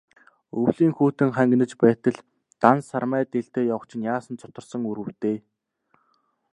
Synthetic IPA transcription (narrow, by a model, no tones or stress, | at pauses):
ɵwɮiːŋxuːt̪ɘ̆ŋχæŋɡ̆nɘ̆t͡ɕpæːt̪ə̆ɮ | t̪ansarmæːt̪eɬt̪eːjawə̆χt͡ɕʰɪ̆njaːsə̆nt͡sʰʊ̥t̪ə̆rsə̆ŋuɾɘ̆wt̪eː